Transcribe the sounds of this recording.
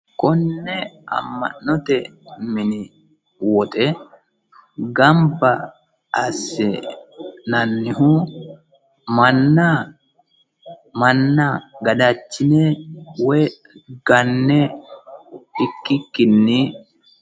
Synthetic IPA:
kɔnːɛɐ̰mːɐ̰nːɔt̪ɛmɪnɪ | wɔt̪ʼɛ | ɡɐmbɐ | ɐsːɛ | nɐnːɪhu | mɐnːa | mɐnːaɡɐdat͡ʃːɪnewɛ | ɡɐnːɛ | ɪkːɪkːɪnːɪ

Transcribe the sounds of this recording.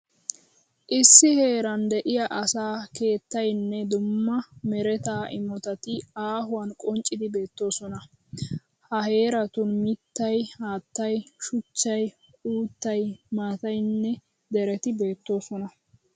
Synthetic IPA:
ʔɪsːɪhe̞ːɾɐnd̪ɛʔɪjɐʔɐsaːke̞ːt̪ːɐjnːɛd̪ʊmːɐmɛɾɛt̪aːʔɪ̰mɔt̪ɐt̪ɪaːɦʊwɐnkʼɔnt͡ʃʼɪd̪ɪbe̞ːt̪ːo̞ːsɔnɐ | hɐɦe̞ːɾɐt̪ʊnmɪt̪ːɐjhaːt̪ːɐjʃʊt͡ʃːɐj | uːt̪ːɐjmaːt̪ɐjnːɛ | d̪ɛɾɛt̪ɪbe̞ːt̪ːo̞ːsɔnɐ

